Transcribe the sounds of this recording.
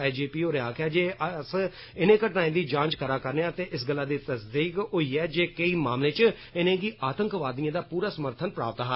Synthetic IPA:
aːd͡ʒiːpiːoːɾeaːkʰɛːd͡ʒeːəs | ɪnẽːkəʈnãːẽːd̪iːd͡ʒãːnt͡ʃkʰəɾaːkəɾneãːt̪eːʔɪsɡəlːaːd̪iːt̪əsd̪iːkɦoːiːɛːd͡ʒeːkəiːmaːmlẽːt͡ʃ | ɪnẽːɡiːʔaːt̪əŋkʋaːd̪ijãːd̪aːpuːɾaːsəməɾt̪ʰənpɾa̰ːpət̪ːɦa

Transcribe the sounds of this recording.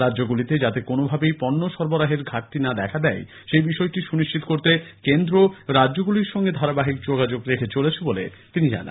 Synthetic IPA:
ɾadd͡ʑoɡulit̪ed͡ʑat̪ekonobʱabejpɔnːoʃɔɾboɾaɦeɾɡʱaʈːinad̪ɛkʰad̪ɛj | ʃejbiʃɔeʈiʃuniʃt͡ɕit̪okoɾt̪ekend̪ɾoɾadʑoɡuliɾʃɔŋɡed̪ʱaɾabaɦik̚d͡ʑoɡad͡ʑoɡɾekʰet͡ɕolet͡ɕʰebolḛt̪inid͡ʑa̰na̰

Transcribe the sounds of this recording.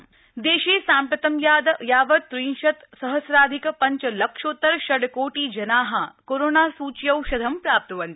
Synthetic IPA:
d̪eːʃeːsaːmpɾɐt̪ɐmjaːd̪jaːʋɐt̪ːɾiːnʃɐt̪sɐɦɐsɾaːd̪ʱikpɐɲt͡ʃɐlɐkʃoːt̪ːɐɾʃɐɽkoːʈiːd͡ʒɐnaːɦɐkoːɾoːnaːsuːt͡ʃjɐwʃɐd̪ʱɐmpɾaːp̚t̪ɐʋɐnt̪i

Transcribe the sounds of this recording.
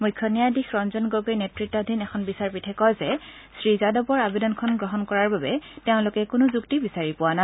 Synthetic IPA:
mujkʰːɔnijadixɹɔnzɔnɡoɡejnetɹitːɔdʱinɛxʰɔnbisaɹpitʰɛkɔjzɛ | sɹizadɔpɔɹabedɔnkʰɔnɡɹɔɦɔnkɔɹaɹbabɛteʊ̃lʊkɛkʊnʊzuktibisaɹipʊwana

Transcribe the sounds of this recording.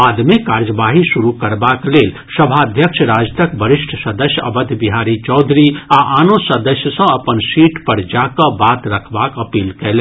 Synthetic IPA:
aːd̪mẽkaːɾjəbaːɦiʃuɾukɐɾbakleːl | sɐbʱad̪ʱjəkʃəɾaːd͡ʒt̪əkbəɾɪʃʈʰsəd̪əsjəɐ̰bəd̪ʱbiɦaːɾit͡ʃɔːd̪ʱɾiaʔaːnõsəd̪əsjəsə̃ɐpənsiːʈpəɾd͡ʒaːkabaːt̪ɾɐkʰbaːkɐpiːlkɛlẽ

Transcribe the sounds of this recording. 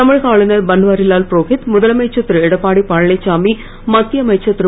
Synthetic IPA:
t̪ɐmɪɻkaːɭɪnɐɾbɐnʋaːɾɪlaːlpɾoːkɪt̪mʊðɐlɐmɐɪt͡ʃːɐt̪ːɾɛɽɐpːaːɽipaːɻɐlɐɪt͡ʃːaːmi | mɐt̪ːjɐmɐɪt͡ʃːɐt̪ːɪɾ

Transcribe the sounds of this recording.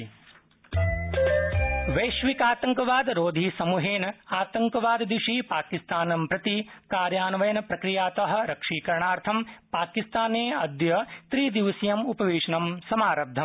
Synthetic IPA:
ʋɐjʃʋikaːt̪ɐŋkɐʋaːd̪ɾoːd̪ʱisɐmuɦeːnɐaːt̪ɐŋkɐʋaːd̪d̪iʂiːpaːkist̪aːnɐmpɾɐt̪ikaːɾjaːnʋɐjɐnɐpɾɐkɾijaːt̪ɐɦɐ̆ɾɐkʂiːkɐɾɐɳaːɾt̪ʰɐmpaːkist̪aːneːɐd̪jɐt̪ɾiːd̪iʋɐsijɐmupɐʋeːʂɐnɐmsɐmaːɾɐb̚d̪ʱːɐm

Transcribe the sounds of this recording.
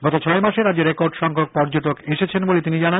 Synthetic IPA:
ɡɔt̪ot͡ɕʰɔemaʃeɾad̪d͡ʑeɾekoɾɖʃɔŋkʰok̚pɔɾd͡ʑoʈokeʃet͡ɕʰenbolet̪inid͡ʑana

